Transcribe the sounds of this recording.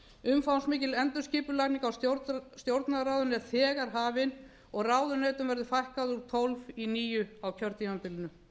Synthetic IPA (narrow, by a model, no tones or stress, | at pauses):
ʏmfawnsmɪːcɪlɛnt̪ʏsciːpʏlakniŋkawsst̪jowɾt̪naɾawðʏnɛɾ̥θɛːɣaɾ̥ɦaːvɪn | ɔɣraːwðʏneːjt̪ʏmvɛɾðʏfajhkaðʏɾ̥t̪ʰolviniːjʏawcʰœɾt̪imapɪlɪnʏ